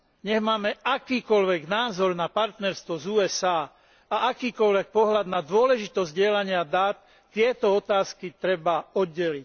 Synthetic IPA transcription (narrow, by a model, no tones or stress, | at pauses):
ɲɛɣmaːmɛʔakiːkɔʎʋɛɡnaːzɔɾnapaɾt̪nɛɾst̪ʋɔzuːɛsaː | aʔakiːkɔlʋɛk̚pɔɦlad̪nad̪ʊɔlɛʒit̪ɔzzɟɪɛlaɲɪad̪aːt̪ː | ɪɛt̪ɔɔt̪aːskit̪ɾɛbaɔd̪ːɛlic